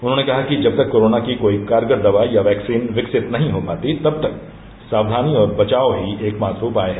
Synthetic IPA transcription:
ʊnɦõːnekɐɦakid͡ʒɐb̚t̪ɐkːoːɾoːnakikoːikaːɾɡəɾd̪ɐʋaːijaʋɛːksiːnʋɪksɪt̪nɐɦĩɦopaːt̪it̪ɐb̚t̪ɐk̚ | saːwd̪ʱaːniɔːɾbɐt͡ʃaːoɦieːkmaːt̪ɾuːpaːeɦɛ

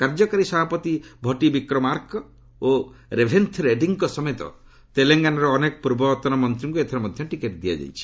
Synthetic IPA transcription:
kaɾd͡ʒɔkaɾisɔbʱapɔt̪ibʱɔʈibikɾɔmaɾkɔ | oɾebʱent̪ʰɾeɖiŋkɔsɔmet̪ɔ̰ | t̪eleŋɡanɔɾɔːnekɔ̥puɾbɔt̪ɔnɔmɔnt̪ɾɔŋkuet̪ʰaɾɔmɔd̪ʱjɔʈikeʈd̪ija̰d͡ʒa̰jt͡ʃʰi̥

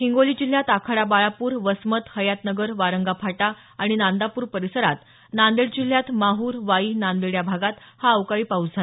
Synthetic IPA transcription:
ɦiŋɡoliːd͡ʑil̤jat̪akʰaɽabaɭapuːɾʋəsmət̪həjat̪nəɡəɾʋaɾəŋɡapʰaʈa | aɽ̃inand̪apuːɾpəɾisəɾat̪ | nand̪iɽd͡ʑil̤ːjat̪maɦuːɾʋaiːnand̪iɽjabʱaɡat̪haəwkaɭiːpaud͡zd͡zʱa

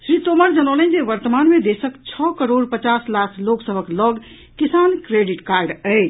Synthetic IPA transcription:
sɾit̪oməɾd͡ʒənələnd͡ʒeʋəɾt̪əmanmed̪esəkt͡ʃʰɔkəɾoɖpət͡ʃaslasʰloksəbʱəklɔɡ | kisankɾeɖiʈkaɾɖəɪt͡ʃʰ

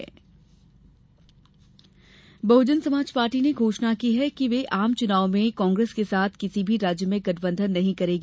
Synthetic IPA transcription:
bɐːʊd͡ʒənsɐmaːd͡ʒpaːɾʈineɡʱoːʃnakiɦɛkiʋeʔaːmt͡ʃʊnaːomẽkɔ̃ːŋɡɾeːskesaːt̪ʰkɪsibʱiɾaːd͡ʒjəmẽɡɐʈʰbə̃nd̪ʱənːɐɦĩkɐɾeːɡ

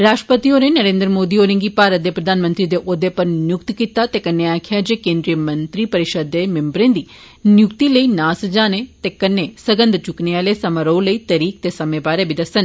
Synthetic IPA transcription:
ɾaːʃʈɾəpət̪ioːnẽnəɾẽːnd̪ɾəmoːd̪iːoːɾɪ̃ŋɡiːpaːɾət̪̚d̪eːpɾəd̪ʱaːnmənt̪ɾiːd̪eːʔod̪eːpəɾnjʊkt̪kit̪aːt̪eːkənːeaːkʰɪjaːd͡ʒeːkẽːnd̪ɾijəmənt̪ɾiːpəɾɪʃəd̪ːeːmɪmbɾẽːnd̪iː | njʊkt̪iləiːnaːsd͡ʒaːneːt̪eːkənːeːsəɡə̃nd̪t͡ʃʊknealeːsəmãɾoũləiːt̪əɾiːk̚t̪eːsəmẽːbaːɾeːbid̪əsən

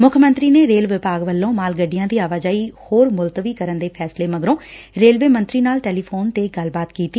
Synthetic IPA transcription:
mʊkʰəmənt̪ɾiːneːɾeːlʋɪpaːɡʋəlːõːmaːlɡəɖijãːd̪iːaːʋaːd͡ʒaːiːhoːɾmʊlt̪əʋiːkəɾənd̪eːpʰɛːsleːməɡɾõː | ɾeːlʋeːmənt̪ɾiːnaːlʈɛːliːpʰoːnt̪eːɡəlbaːt̪kiːt̪iː

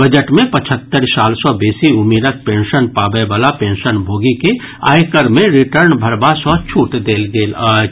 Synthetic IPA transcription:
bəd͡ʒəʈmẽpət͡ʃʰət̪ːəɾsaːlsɔbeːsiʊmiːɾək̚pẽːnʃənpaːbəbəlapẽːnʃənbʱoːɡike | a̰ːjkəɾmẽɾɪʈəɾnbʱəɾbasɔːt͡ʃʰuːʈd̪eːlɡeːl

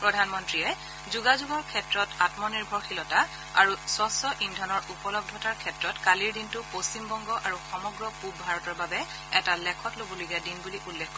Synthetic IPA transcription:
pɹɔdʱanmɔntɹiɛ | zuɡazuɡɔɹkʰɛtɹɔtatmɔniɹbʱɔɹxilɔta | a̰ɹusɔsɔʔindʱɔnɔɹupɔlɔb̚dʱɔtaɹkʰɛtɹɔtkaliɹdintʊpostimbɔŋɡɔʔaɹuxɔmɔɡɹɔpubbʱaɹɔtɔɹbabɛ | ɛtalɛkʰɔtlobɔluɡadinbuliʔulːɛkʰːɔ

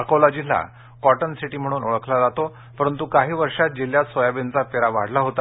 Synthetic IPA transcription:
əkolɔd͡ʑila̰ | kɔʈənsiʈiːm̤əɽ̃uːnoɭəkʰlad͡zat̪o | pəɾənt̪ukaɦiːʋəɾʂat̪̚d͡ʑeljasɔjabent͡sapeɾaʋa̰ɽ̤laɦot̪a

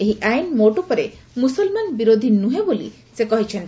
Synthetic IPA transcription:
eɦiʔajnmoʈupɔɾemusɔlmanbiɾod̪ʱinːuɦebolḭ | sekɔɦit͡ʃʰen

